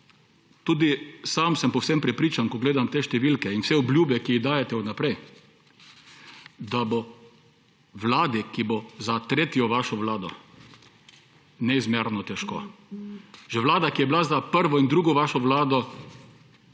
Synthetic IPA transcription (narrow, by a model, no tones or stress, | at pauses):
t̪uːd̪isamsɛmpɔwsɛmpɾɛpɾiːt͡ʃankɔɡleːd̪amt̪eːʃt̪ɛʋilkɛinwsɛɔbljuːbɛkiiɣd̪aːjɛt̪ɛunapɾɛj | d̪abo | ʋlaːd̪ikibozat̪ɾeːt̪jɔʋaʃɔʋlaːd̪ɔ | nɛizmeɾnɔt̪ɛʃko̰ː | ʒɛʋlaːd̪akijɛbilazapəɾʋɔind̪ɾuːɡɔʋaʃɔʋlaːd̪ɔ